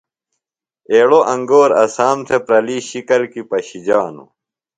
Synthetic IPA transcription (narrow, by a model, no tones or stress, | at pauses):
eːɽoʔɐ̃ŋɡoːɾɐsaːmt̪ʰepɾɐliːɕikɐlkipɐɕid͡ʑaːnṵ